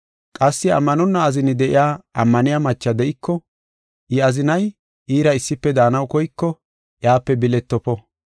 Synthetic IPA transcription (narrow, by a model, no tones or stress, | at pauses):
kʼɐsːɪɐ̰mːɐnɔnːɐːzɪnɪd̪ɛʔɪ̰jaːɐmːɐnɪjamɐt͡ʃːɐd̪ɛʔɪkːɔ | ʔɪɐzɪnɐj | ʔiːɾɐɪsːɪpːɛd̪aːnɐwkɔjkːɔ | ʔjaːpːɛbɪlɛt̪ːɔpɔ